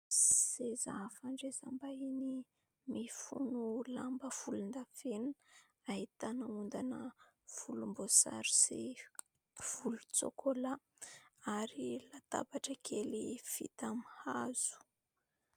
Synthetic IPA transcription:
sezafaɳɖ͡ʐezambaini | mifṵnulambəfulund̪afen | aɦit̪anəund̪anə | fulumbosa̰ɾi̥si | v̥ulut͡so̰kʰola | aɾilat̪a̰baʈ͡ʂəkʰelifḭt̪amihaz̥u̥

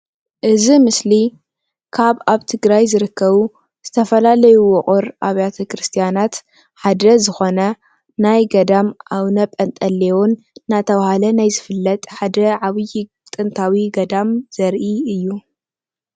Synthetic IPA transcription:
ʔɨzimɨsli | kʰaβaβt̪ʰɨɡɾajzɨɾɨkʰːɐβu | z̥ɨt̪ʰɐfɐlalɐjuwʊχʼʊɾʔaβjat̪ʰɐkɾɨst̪ʰijanat̪ | ħad̪ɐzɨxo̞nɐ | najɡɐd̪amʔawnɐpʼɐnt̪ʼɐlːewonː | at̪ʰɐβahalɐnajzɨfɨlːɐt̪ʼħad̪ɐʕaβɨji | t̪ʼɨnt̪ʰawiɡɐd̪amz̥ɐɾʔiɨjːu

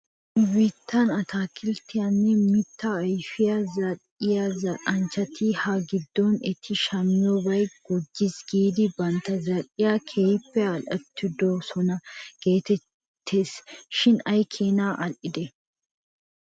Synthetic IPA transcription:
wiːt̪ʰːɐnɐt̪ʰaːkɪlt̪ːɪjɐnːɛmɪt̪ːɐːjfɪjɐzɐɾ | ɪjazɐʔʼɐnt͡ʃːɐt̪ʰɪhɐɡɪd̪ːɔnɛt̪ʰːɪʃɐmːɪjɔbɐjɡ̥ɔd͡ʒːɪsɡiːd̪ɪbɐnt̪ɐzɐɾɪjakʰejpːɛɐlɐt̪ʰːɪd̪osɔnɐɡ̥e̞ːt̪ɛ | t̪ʰːe̞ːsʃɪnɐjkʰeːnaːʔɐlʔɪd̪ɛ

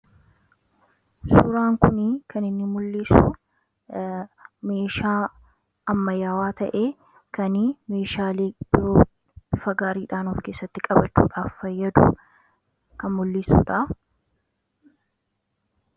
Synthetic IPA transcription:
sʊːɾaːŋkʊnɪkʰɐnɪnːɪmʊlːiːsʊ̰ | me̞ːʃaː | ɐmːɐjaːwaːt̪ɐʔeː | kɐnime̞ːʃaːleːb̥ɪɾoː | fɐɡaːɾiːᶑaːnɔfke̞ːsːɐt̪ːɪkʼɐbɐt͡ʃːṵːᶑaːfːɐjːɐd̪ʊ̰ | kɐnmʊlːisṵːᶑɐ

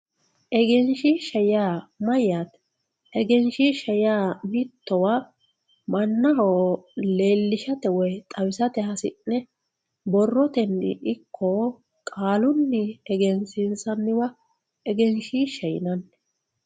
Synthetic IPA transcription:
ʔɛɡɛnʃiːʃɐjjaːmɐjːat̪ | ɛɡɛnʃiːʃɐjaːmɪt̪ːɔwaː | mɐnːɐɦoːle̞ːlːɪʃɐt̪ɛwɔjt̪ʼɐwɪsɐt̪ɛhɐsɪnːɛ | bɔrːɔt̪ɛnɪ̰ʔɪkʰːo | kʼaːlʊnːɪɛɡɛnsɪnsɐnːɪwɐ | ɛɡɛnʃiːʃɐjɪ̰nɐn

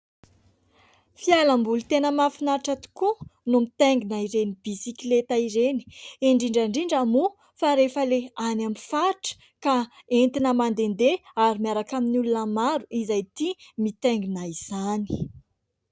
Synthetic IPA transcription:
fialambulut̪enəmafinaʈ͡ʂat̪u̥kunumit̪eŋɡinaiɾenib̥isiklet̪aiɾeni̥eɳɖ͡ʐiɳɖ͡ʐaɳɖ͡ʐiɳɖ͡ʐamu | faɾefəleanamifaʈ͡ʂə̥ | ka | ent̪inəmand̪end̪eaɾimiaɾakaminulunəmaɾuʔizajt̪imit̪eŋɡinaiz̥ani̥

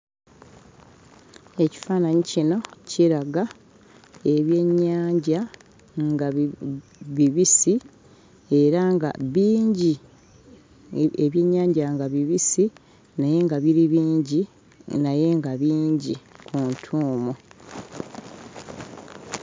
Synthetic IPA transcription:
e̞ci̥faːnaɲicino̞cʰiɾaɡa | e̞βje̞ɲːaːɲɟa | ŋɡa | βiβisi | e̞ɾaŋɡa̰βiːɲɟi | eβje̞ɲːaːɲɟaŋɡaβiβisi | naje̞ŋɡaβiɾiβiːɲɟi | naje̞ŋɡaβiːɲɟikʰuntʰuːmu

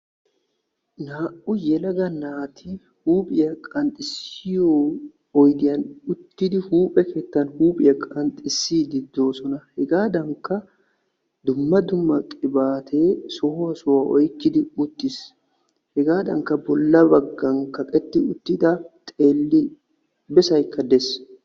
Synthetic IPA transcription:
naːʔʊjɛlɐɡɐnaːt̪ʰɪ | huːpʼɪjɐkʼɐnt̪ʼɪsɪjoː | ɔjd̪ɪjɐnʊt̪ːɪd̪ɪhuːpʼɛke̞ːt̪ːɐnhuːpʼɪjɐkʼɐnt̪ʼɪsːiːd̪ɪd̪ːo̞ːsɔnɐhɛɡaːd̪ɐŋkːɐ | d̪ʊmːɐd̪ʊmːɐkʼɪbaːt̪ʰe̞ːsɔhɔɐsʊwaʔɔ̰jkːɪd̪ɪʊt̪ːɪs | hɛɡaːd̪ɐŋkːɐbɔlːɐbɐɡːɐŋkɐkʼɛt̪ːɪʊt̪ːɪd̪ɐt̪ʼeːlːɪ | bɛsɐjkʰːɐd̪ɛs

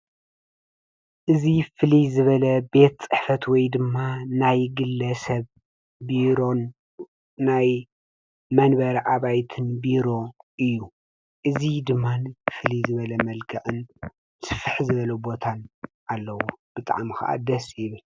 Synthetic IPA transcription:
ʔɨzifɨlizɨβɐlɐbe̞t̪̚t͡sʼɨħfɐt̪wɔjd̪ɨmːanajɡɨlːɐsɐβ | biɾonː | aj | mɐnbɐɾɐʔaβajt̪ʰɨnbiɾo̞ʔɨjːu | ʔɨzid̪ɨmːanfɨlizɨβɐlɐmɐlkʰɐʔɨn | sɨfɨħzɨβɐlɐbo̞t̪ʰanʔalːɐwub̥ɨt̪ʼa̰ʕmxɐ̰ʔa̰d̪ɐsjɪβɨl

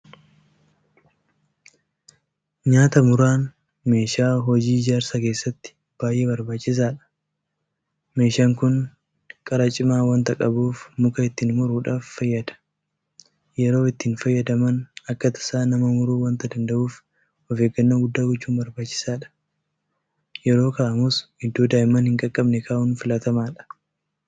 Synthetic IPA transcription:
ɲaːt̪ɐmʊɾaːn | me̞ːʃaːɦɔd͡ʒiːd͡ʒaːɾsɐke̞ːsːɐt̪ːɪ̥ | b̥aːjʔːe̞ːbɐɾbaːt͡ʃːɪs̬aːᶑɐ̥ | me̞ːʃaːŋkʊn | kʼɐɾɐt͡ʃʼɪmaːwɐnt̪ɐkʼɐbuːfmʊkɐɪt̪ːiːnmʊɾuːᶑaːfːɐjːɐd̪ɐ̥ | jɛɾo̞ːɪt̪ːɪnfɐjːɐd̪ɐmɐnɐkːɐt̪ɐ̥saːnɐmɐmʊɾuːwɐnt̪ɐd̪ɐnd̪ɐʔuːf | ɔfe̞ːɡɐnːɐːɡʊd̪ːaːɡɔt͡ʃːuːmbɐɾbaːt͡ʃːɪ̥saːᶑɐ̥ | jɛɾo̞ːkɐɐmʊsɪd̪ːoːd̪aːjɪmɐnhɪŋkʼɐkʼːɐbnɛkʰaːʔʊnfɪlɐt̪ɐmaːᶑɐ̥

